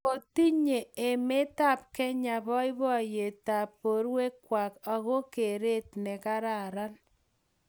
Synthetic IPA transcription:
o˨ti˦ɲe˨e˨me˦ta˦˨p̚kɛ˦ɲa˨βɔ˦i˦βɔ˦˨je˨ta˨pːo˨ɾwe˦kwa˨ka˨ɣo˦ke˨ɾe˦tne˨ka˦ɾa˨ɾa˦n

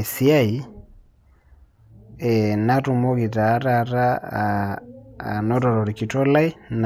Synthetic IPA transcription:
si˦a˦i˨ | ɛna˦ɾu˨mɔ˦ɣi˨ɾa˨˦ɾaɾa˦˨ | nɔ˦ɾɔ˨ɾɔ˨ɾi˨ki˨tɔ˦la˦i˦na

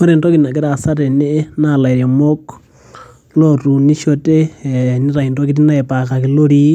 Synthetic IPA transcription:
ko˦ɾe˨ndo˦kitna˨kɛ˦ɾa˨sa˦ɾe˨ne˦na˨la˨i˨ɾja˨mo˦k | lo˦ɾu˨ni˦ʃo˦te˦ni˦ɾa˨i˨ndo˦ki˦t̬i˦na˦e˨pa˨ka˨ki˨˦lo˦ɾi˦

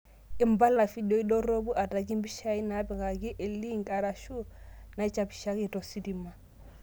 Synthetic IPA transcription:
i˨˦mba˦lna˨fi˦do˦i˦ɗo˦ɾo˦bu˦ʔa˨ta˨k̬i˦mbi˦ʃa˦i˦na˨˦pɛ˨ɡa˨ki˦ʔe˨li˦ŋɡa˨ɾa˨ʃu˦na˨i˦t͡ʃa˨pi̥˨ʃa˦ki˦˨tɔ˨si˦di˨ma˦˨

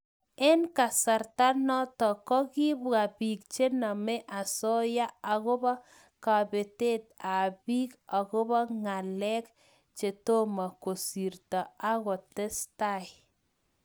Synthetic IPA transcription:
ɛ˦nka˨sa˨rta˦nɔ˦tɔ˨kɔ˦ki˦ba˨piː˨k̚t͡ʃe˦na˨mɛ˦ʔa˨sɔ˦ja˦a˨ɣʊ˦bɔ˦ | ka˨be˨te˦t̚a˨piː˦ka˨kʊ˦βɔ˦ŋa˨lɛ˦k | t͡ʃe˨to˦ma˨ko˨si˨rta˨a˦ɣɔ˨tɛ˦sta˦˨j

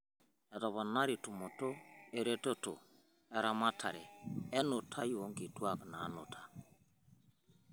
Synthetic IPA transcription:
ɛ˨tɔ˨βɔ˨na˦ɾi˨tu˨mo˨to˦e˨ɾe˦tɔ˦to̰˨ | ɛ˨ɾa˦ma˦tʰa̰˨ɾe˨ɛ˦no˨tʰa˦jo˨˦ŋɡi˨twa˦˨kna˨˦no˨tʰa˨

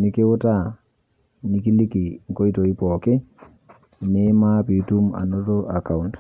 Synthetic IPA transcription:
ni˦ke˦wo˦ta˦˨ | ni˨ki˦li˦ki˨ŋko˦i˦to˨i˦pɔ˨ke˦˨ | ne˦ma˦pi˨˦tu˦ma̰˨no˦to˦ʔa˨ka˨unt

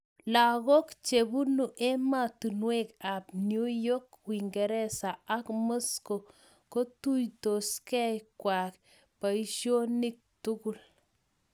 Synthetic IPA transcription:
la˨ɣo˦kt͡ʃe˨bu˦nu˨ʔɛ˦ma˦tu˨nwe˦ka˨p̚njo˦jo˦kwi˨ŋɡɛ˨ɾɛ˦sa˨a˦kmo˦sko˨ | ko˦tu˦jto˨skɛ˦jkwa˨k | pa˨iʃjo˦ni˦k̚tu˦ku˨l

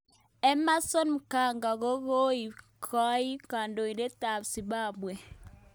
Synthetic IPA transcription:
ɛ˦ma˦sɔ˦nm̩˨ka˨ŋɡa˨ɣo˦ɣo˦i˨ | kʰɔ˦i˦ka˨ndo˨i˨ɾe˦ta˨si˨ba˦bwɛ˨

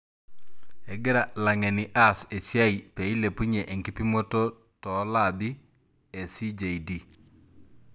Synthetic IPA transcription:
ɛ˨ɡɪ˦ɾa˨la˨ŋɛ˨ni˨ʔa˦se˨si˦a˦i˨pe˨i˦le˨pu˦ɲe˨ʔe˨ŋki˦pi˦mo˦to˦ | tɔ˨˦la˦˨bi˦ | ɛ˨si˦d͡ʒe˨idi˦˨

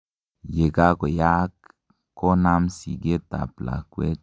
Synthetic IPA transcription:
je˨ɡa˦ɡo˨ja˦kː | o˦na˦msi˨ɡe˦t̪a̰˨pla̰˨kʷwe˦

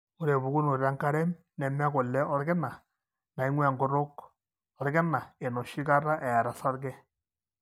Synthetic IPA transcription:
ʊ˦ɾe˨βu˨ɡu˦no˨ɾa˦ŋka˦ɾɛ˦m | nɛ˨m˦ko˨lːɛ˦ɔ˦ɾɡɛ˦na˨ | na˨i˦ŋwɛ˦˨ŋɡo˦ɾo˦k | ɔ˨ɾɡɛ˦na˨e˨no˨ʃi˦ka˦ɾa˦ʔɛ˨a˨ɾa˨sa˦ɾɡɛ˦

